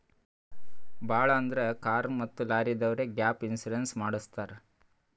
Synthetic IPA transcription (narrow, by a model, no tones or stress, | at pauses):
bʱaːɭɐːnd̪ɾekaːɾnmɐt̪ːulaːɾid̪ɐʋɾeɡjaːpinsiɾensmaːɽust̪aːɾe